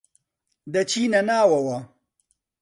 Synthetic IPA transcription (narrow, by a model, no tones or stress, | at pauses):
d̪ɐt͡ɕinɐnaːwɐwa